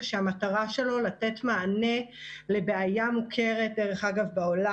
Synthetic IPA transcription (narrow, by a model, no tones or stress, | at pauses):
ʃeamataʁaʃe̞lo̞latetmaːne̞le̞beajamukʰe̞ʁet̚deʁe̞χaɡavbaola